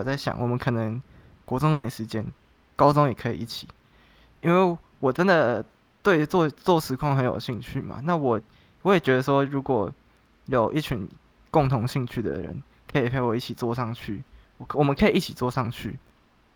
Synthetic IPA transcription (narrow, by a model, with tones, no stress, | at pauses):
t͡sa˥˩ɪɕjɑ̰˨˩˦ŋwɔ˨˩mə˨˦nkʰɤ˨˩nə˧˦ŋ | kwɔ˧˥t͡sʊ˥ŋna˧˥˩ʂɻ̩˧˥t͡ɕjɛ˥n | kɑ˥ʊt͡sʊ˥ŋjɛ˨˩kʰɤ˧˥ḭ˨˩i˥˩t͡ɕʰi˨˩˦ | i˥nwe˥˩ɪ | wɔ˨˩ʈ͡ʂə˦nd̪ə˨ | t̪we˥˧ɪt͡swɔ˥˧t͡swɔ˥˨ʂɻ̩˧˥kʰwɑ˥˧ŋxə˧˦njo˨˩ʊɕi˥˧ŋt͡ɕʰy˥˩ma̰˨˩na˥˨wɔ˨˩ | wɔ˦˥jɛ˨˩t͡ɕɥɛ˧˥d̪ə˧ʂwɔ˦˥ɻu˧˥kwɔ˨˩ | jo˨˩ʊʔi˥˩t͡ɕʰy˧˥n | kʊ˥˩ŋt̪ʰʊ˧˥ŋɕi˥˧ŋt͡ɕʰy˥˩d̪ə̰˨˩ɻə̰˧˦n | kʰə˧˥i˨˩pʰe˥˩ɪwɔ˨˩i˥˩t͡ɕʰi˨˩t͡swɔ˥˧ʂɑ˥˧ŋt͡ɕʰy˥˩ | wɔ˨˩mə˦nkʰə˧˥i˨˩i˥˩t͡ɕʰi˨˩t͡swɔ˥˧ʂɑ˥˧ŋt͡ɕʰy̰˥˩